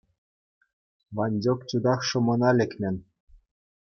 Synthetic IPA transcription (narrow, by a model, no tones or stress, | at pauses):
ʋɑnʲdʲokt͡ɕud̪ɑχʂɤ̆mɤ̆nɑlʲɘ̆kʲmʲɘ̆n